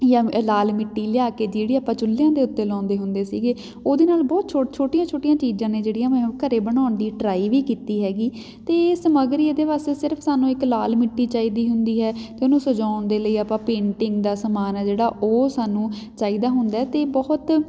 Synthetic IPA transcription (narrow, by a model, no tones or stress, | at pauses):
jãːlaːlmɪʈːiːlɪjaːkeːd͡ʒeːɽiːapãːt͡ʃʊlːɪjãːd̪eːʊt̪ːeːlɔ̃ːnd̪eːɦʊnd̪eːsḭːɡeː | oːd̪eːnaːlbɔːt̪t͡ʃʰoːt͡ʃʰoːʈɪjãːt͡ʃʰoːʈɪjãːt͡ʃiːzãːnẽːd͡ʒeːɽɪjãːmɛũːkəɾeːbəɽaːʊnd̪iːɖɾaːiːʋiːkiːt̪iːɦɛːɡiː | t̪eːsəməɡɾiːed̪eːʋaːst̪eːsɪɾəpʰsaːnũːɪklaːlmɪʈːiːt͡ʃaːiːd̪iːɦʊnd̪iːɦɛːt̪eːʊnũːsʊd͡ʒaːʊnd̪eːləiːapãːpẽːɳʈɪŋɡd̪aːsəmaːnɛːd͡ʒeːɽaːʔoːsaːnũː | t͡ʃaːiːd̪aːɦʊnd̪aɛːt̪eːbɔːt̪